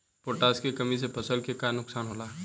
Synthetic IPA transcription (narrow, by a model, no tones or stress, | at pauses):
poːʈaːskekɐmis̬epʰɐsəlkekanʊksaːnɦoːlaːɦ